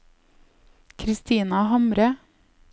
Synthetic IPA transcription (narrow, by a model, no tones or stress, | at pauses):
kʰɾɪst̪iːnɑhɑmɾə